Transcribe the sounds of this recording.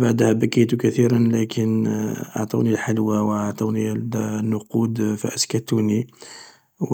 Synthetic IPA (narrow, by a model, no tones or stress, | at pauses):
baʕd̪hæbækijt̪ukæθiɾənlækʰənʔɑ̰ʕt̪ˤṵnilħalwawɑʕt̪ˤunilnːʊqud̪fə̰ʔəskæt̪uni | w